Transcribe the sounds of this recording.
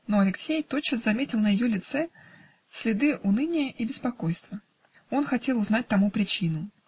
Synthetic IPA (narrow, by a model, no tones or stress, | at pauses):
noɐlʲɪksʲejt̪ott͡ɕːaszɐmʲetʲɪlˠnəjɪjolʲɪt̪sɛ | sʲlʲɪd̪ɨʔʊnɨnʲɪjəʔibʲɪspɐko̞jst̪və | o̞nxɐtʲelˠʊznat̚ʲt̪ɐmupɾʲɪt͡ɕinʊ